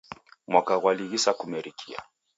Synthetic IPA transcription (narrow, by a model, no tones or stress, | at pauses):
mwakaɣwaliɣisakumɛɾikʰia̰